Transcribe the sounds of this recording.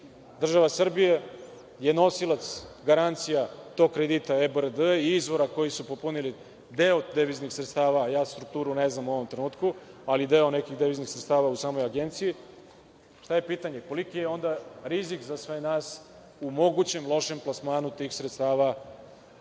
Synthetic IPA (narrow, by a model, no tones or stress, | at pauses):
d̪r̩ʒaʋasr̩bije̞ | je̞no̞silˠat̪sɡaɾant̪sijat̪o̞ɡ̚kːɾed̪it̪aebəɾd̪əiizʋo̞ɾako̞jisupopunili | d̪eod̪eʋiznixsɾet̪st̪aːʋajaːst̪ɾuk̚t̪uːɾuneznamuo̞ʋo̞mt̪ɾenuːt̪kualid̪eo̞ne̞kiɣd̪eʋiznixsɾet̪st̪aːʋausaːmo̞jaɡe̞nt̪siji | ʃt̪aje̞piːt̪aɲe̞ko̞likijeo̞nd̪aɾizikzasʋenaːs | umo̞ɡut͡ɕe̞mlˠo̞ʃe̞mplasmaːnut̪iːxsɾet̪st̪aːʋa